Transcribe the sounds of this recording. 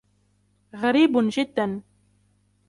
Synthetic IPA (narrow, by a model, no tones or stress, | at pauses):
ɣaɾiːbʊnʒɪd̪ːan